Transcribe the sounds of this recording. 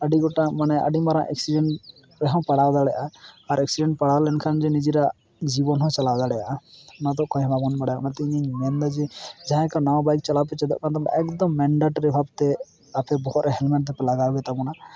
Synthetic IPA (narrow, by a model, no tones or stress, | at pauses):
əɖiɡɔʈamanɛʔə̰ɖimaɾã̰ʔɛ̰k̚siɖɛɳ | ɾɛɦɔ̃wpaɽad̪aɽɛjʔaaɾɛk̚siɖɛɳʈpaɽalɛnkʰand͡ʒɛnid͡ʒiɾa | d͡ʒibɔnɦɔ̃t͡ʃalad̪aɽɛʔanat̪ɔʔkɔjɦɔ̃bʱabɔnpaɽajanat̪iɲiɲmɛnd̪ad͡ʒɛd͡ʒaɦɛ̃kanawbajk̚t͡ʃalapɛt͡ʃɛd̪ɔ̰ʔkat̪ɔpʔɛkd̪ɔmːɛɳɖeʈɾɛbʱab̚t̪ɛ | apɛbɔɦɔt̪ɾɛɦɛlmɛʈ̚d̪ɛpɛlaɡaɡɛt̪abɔna